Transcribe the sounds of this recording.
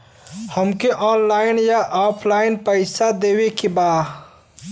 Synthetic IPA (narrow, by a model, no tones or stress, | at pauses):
həmkeʔɔːnlaːɪnjaʔaːpʰlaːɪnpəɪsad̪eːwekebaː